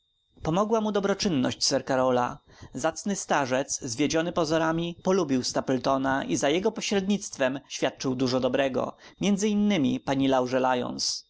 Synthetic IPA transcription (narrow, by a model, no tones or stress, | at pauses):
pɔmɔɡwamud̪ɔbɾɔt͡ʂɘnːɔ̰ɕt͡ɕsɛɾkaɾɔlazat̪snɘst̪aʐɛt̪szvʲjed͡ʑɔnɘpɔzɔɾamʲipɔlubʲiwst̪apɛlt̪ɔnaʔizajɛɡɔpɔɕɾɛd̪ɲit̪st̪fɛmɕfʲjat̪̚t͡ʂɘwd̪uʐɔd̪ɔbɾɛɡɔ̰mʲjɛnd̪zɘinːɘmʲipaɲilawʐɛlajɔ̰ns